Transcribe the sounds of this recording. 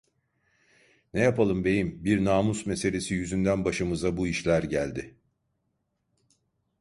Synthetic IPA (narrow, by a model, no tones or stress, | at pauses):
nɛjapʰalˠɯmbe̞jimbiɾnaːmusme̞se̞lʲe̞sijyzynd̪ænbaʃɯmɯzabuiʃlʲæɾɟælʲd̪ɪ